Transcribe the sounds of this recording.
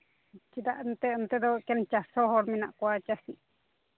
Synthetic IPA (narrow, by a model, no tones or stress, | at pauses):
t͡ʃid̪aʔnt̪ent̪ed̪okent͡ʃasohoɾmĩnaʔkʷat͡ʃasiʔ